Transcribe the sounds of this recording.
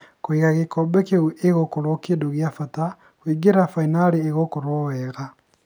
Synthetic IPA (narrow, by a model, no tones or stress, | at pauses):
koiɣaɣekɔbɛkeuʔeɣokoɾokedoɣjafata | hwiɡeɾafainaɾeːɣokoɾowɛːɣa